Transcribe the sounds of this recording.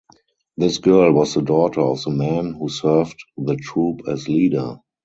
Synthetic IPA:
ðɪsɡ̥ɜ˞lwɔsðədɔtʰə˞ɔfðəmæ̃nhuːsɜ˞vtðətʰɹuːpʰɛsliːdə˞

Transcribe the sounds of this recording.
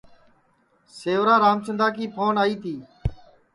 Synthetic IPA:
seːʋɾaːɾaːmt͡ʃənd̪aːkiːpoːnaːiːt̪ʰiː

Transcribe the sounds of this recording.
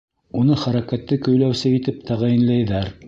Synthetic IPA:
unɤχæɾækæt̪ːɘkɵ̆jlæwsɘit̪ɘp̚t̪ʰæʁæjɘ̆nlæjðæɾ

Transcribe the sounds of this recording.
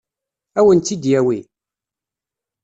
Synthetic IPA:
æwənt̪ːid̪jæwi

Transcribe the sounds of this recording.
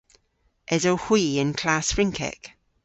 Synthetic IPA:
ʔɛzohwiːə̃nkʰl̥aːˑsfɹɪ̃ŋkʰɛ̰k

